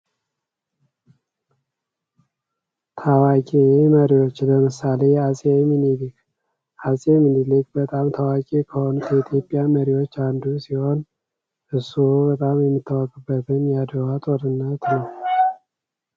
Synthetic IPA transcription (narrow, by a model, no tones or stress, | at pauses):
t̪ʰawakʼeməɾiwot͡ʃːləmɨsale̞asʼemɨnilik | ʔasʼemɨnilɨkʼbət̪ʼamt̪ʰawakʼekʰəho̞nut̪jɛit̪ʰjo̞pʼːjaməɾiwo̞t͡ʃːand̪usiho̞n | ʔɨsubət̪ʼamjɛmːɨt̪ːawəkʼɨbːət̪ʰɨnjad̪əwat̪ʼoɾɨnːət̪nəw